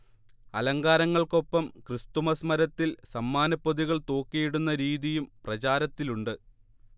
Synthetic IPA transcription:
ɐlɐŋɡaːɾɐŋːɐɭko̞pːɐmkrɨst̪umɐsmɐɾɐt̪ːilsɐmːaːnɐpːoðiɣɐɭt̪o̞ːkːijiɽunːɐɾiːðijumprɐt͡ɕaːɾɐt̪ːiluɳɖɨ

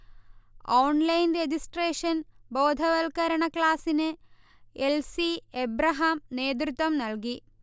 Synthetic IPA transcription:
oːɳlɐjnred͡ʑisʈreːʂɐnbo̞ːd̪ʱɐʋɐlkɐɾɐɳɐkɭaːsinɨ | elsiebɾɐɦaːmne̞ːd̪̬rut̪wɐmnɐlki

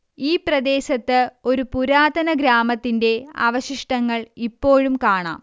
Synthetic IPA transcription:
iːprɐd̪e̞ːɕɐt̪ːɨo̞ɾupuɾaːd̪ɐnɐɡɾaːmɐt̪ːinde̞a̰ʋɐɕiʂʈɐŋːɐɭipːo̞ːɻumkaːɳa̰ːm

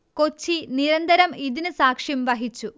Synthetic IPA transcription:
ko̞t͡ɕːiniɾɐnd̪ɐɾɐmiðinɨsaːkʂjɐmʋɐɦit͡ɕːu

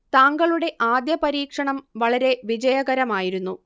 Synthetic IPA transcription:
t̪aːŋɡɐɭuɽe̞ʔaːd̪jɐpɐɾiːkʂɐɳɐmʋɐɭɐɾe̞ʋid͡ʑɐjɐɣɐɾɐmaːjiɾunːu

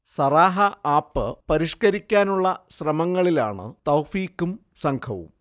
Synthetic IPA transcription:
sɐraːɦɐaːpːɨpɐɾiʂkɐɾikʲːaːnuɭːɐɕrɐmɐŋːɐɭila̰ːɳɨ̰t̪ɐwfiːkːum | sɐŋkʰɐʋṵm

